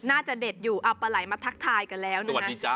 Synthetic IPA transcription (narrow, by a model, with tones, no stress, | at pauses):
naː˥˩t͡ɕa˨˩de˨˩t̪̚juː˨˩ʔa˧˩pːa˧la˩˦jma˧t̪ʰa˦˥k̚t̪ʰaː˧jka˧nlɛː˦˥wna˧˦˧a˦iː˦˧t͡ɕa˧